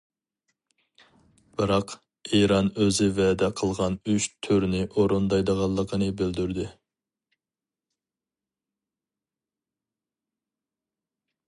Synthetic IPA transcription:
b̥ɨɾɑq | eɾɑnøzɪvɛd̪ɛqʰəlˠʁɑnyʃt̪ʰyɾnɪʔoɾond̪ɑjd̪əʁɑlˠːəqʰənɨbɪld̪yɾd̪ɪ

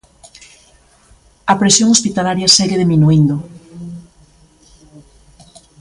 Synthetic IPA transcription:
ɐpɾesjoŋospit̪alaɾjɐsɛɣeðiminuind̪o

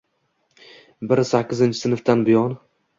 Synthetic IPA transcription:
bɪɾsakʲːɪzɪnt͡ʃʰɪ̥sɪnɨft̪anbɪjɒn

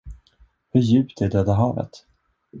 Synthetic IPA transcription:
hɵɾjʉ̟ːpt̪ɛɖøːd̪aɦɑːvə̰t̪

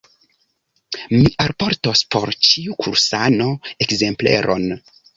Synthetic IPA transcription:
miʔaɾpo̞ɾtospo̞̰ɾt͡ʃiukʰuɾsano̞e̞kze̞mple̞̰ɾʔo̞̰n

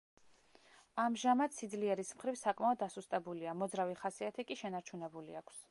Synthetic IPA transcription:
amʒamat̪sid̪zliɛɾismχɾivsakʼmaɔd̪̚ːasust̪ʼɛbuliamɔd̪zɾaviχasiat̪ʰikʼiʃɛnaɾt͡ʃʰunɛbulḭakʰs

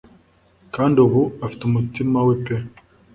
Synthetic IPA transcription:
kaːndioβuafi̥tumutimawepe

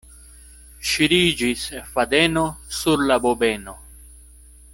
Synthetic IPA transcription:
ʃiɾid͡ʒisfad̪enosuɾlabobeːno

